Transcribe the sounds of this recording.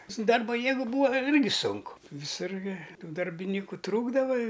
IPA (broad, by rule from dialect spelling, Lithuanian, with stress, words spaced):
sʊ ˈdɐrbɐ ˈjeːɡʊ ˈbuːɐ ˈɪrʲɡʲɪ ˈsʊŋkʊ ʋʲɪˈsʊr ɡʲɪ ˈtuː dɐrʲbʲɪˈnʲiːkʊ ˈtruːɡdɐʋɐ ɪ